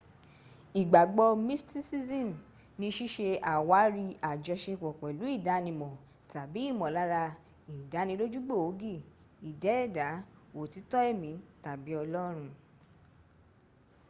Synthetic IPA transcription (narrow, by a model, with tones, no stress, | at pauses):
i˨ɡ͡ba˨ɡ͡bɔ˧mi˦sti˦si˦zĩ˦˨m | nĩ˧ʃi˦ʃe˧a˨wa˨˦ɾi˧a˨d͡ʒɔ˧ʃe˧k͡pɔ˨k͡pɛ˨lu˨˦i˦˨da˨˦nĩ˧mɔ̃˨ | ta˨bi˨˦i˦˨mɔ̃˨la˨˦ɾa˧ | i˨da˨˦nĩ˧lo˦d͡ʒu˦ɡ͡bo˦˨o˨˦ɡi˦˨ | i˨dɛ˨˦ɛ˦˨da˨˦o˨ti˨˧˦tɔ˦ɛ˦˨mĩ˨˦ta˨bi˨˦ɔ˧lɔ˦ɾ̃ũ˧